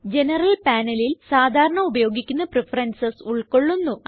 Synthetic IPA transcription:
d͡ʑe̞nɐrɐlpaːnɐlilsaːd̪ʱaːɾɐɳɐubɐjo̞ːɡikʲːunːɐprefɐrɐnsɐsuɭko̞ɭːunːu

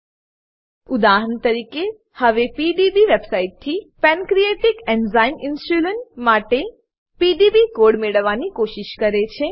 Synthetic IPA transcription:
ʊd̪aɦənt̪əɾike | həʋepiɖibiʋebsaiʈ̚t̪ʰːipɛnkɾijeʈikɛnzainɪnsʈuləɳmaʈe | piɖibikoɽmeɭəʋːanikoʃɪʃkəɾet͡ʃʰe

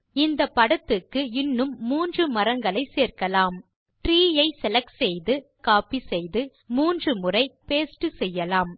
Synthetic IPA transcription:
ɪnd̪ɐpːɐɽɐt̪ːɯkːɯɪnːɯmːuːndrɯmɐɾɐŋɡɐɭɐɪseːrkɐlaːm | ʈɾiːjɐɪsɛlɐksɛjðɯ | kaːpisɛjðɯ | muːndrɯmɯrɐɪpeːsʈɯsɛjːɐlaːm

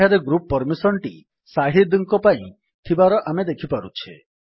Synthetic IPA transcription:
aɾeɡɾupːɔɾmisɔɳʈi | saɦid̪ŋkɔpaĩ | t̪ʰibaɾɔʔamed̪ekʰipaɾut͡ʃʰe

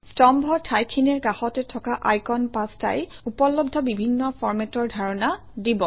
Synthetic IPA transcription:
stɔmbʱɔtʰajkʰːinɛɹkaxɔtɛtʰɔkaʔajkɔnpasta̰jupɔlɔbdʱɔbibʱinːɔfʰɔɹmɛtɔɹdʱaɹɔna | dibɔ

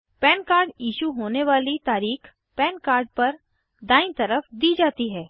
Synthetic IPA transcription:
pɛːnkaːɾɖjiːʃuɦoːneʋaːlit̪aːɾiːx | pɛːnkaːɾɖ̚pɐɾ | d̪aːɪ̃nt̪ɐɾəfd̪iːd͡ʒaːt̪iɦɛː

